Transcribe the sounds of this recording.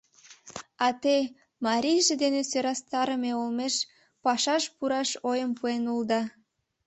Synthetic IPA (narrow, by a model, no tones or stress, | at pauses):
ɑt̪e | mɑɾʲijʒed̪enesøɾɑst̪ɑɾəmeolmeʃ | pɑʃɑʃpuɾɑʃojəmpuenuld̪ɑ